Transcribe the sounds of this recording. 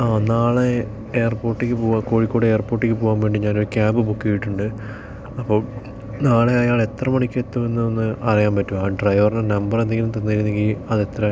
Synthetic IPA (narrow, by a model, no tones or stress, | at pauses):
aːnaːɭe | eːɐrpo̞ːrʈːikʲːɨpoːaːko̞ːɻikːo̞ːɽeeːrpo̞ːrʈːikʲːɨpo̞ːɣaːmʋe̞ːɳɖɨɲaːnoɾkʲaːmbɨbukːijiʈːuɳɖɨ | ɐpːo̞ːɭ | naːɭe̞ɐjaːɭe̞t̪rɐmɐɳikʲːet̪ːɐmenːɨonːɨʔɐrijaːmpɐtːumaːɖrɐjʋɐrnɐnɐmbɐrend̪eŋːɡɐlumt̪ɐnːɨɐɾunːe̞ŋɡilɐðe̞t̪rɐ